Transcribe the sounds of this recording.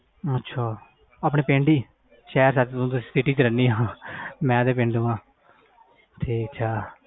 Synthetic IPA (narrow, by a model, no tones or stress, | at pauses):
ətːʃʰaː | aːp̬ɳeːpẽːɳɖiː | ʃɛːɾsaːt̪ːt̪ũːt̪ʊsĩːsɪʈiːt͡ʃɾɛniːɦãːmɛ̃ːd̪eːpẽːɳɖũːãː | ʈʰiːkt͡ʃʰaː